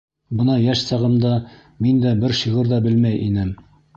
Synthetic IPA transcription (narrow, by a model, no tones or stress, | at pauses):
bɤnɑjæʃsɑʁɤ̆md̪ɑ | mind̪æbɘɾɕiʁɤɾðɑbɘlmæjʔinɘm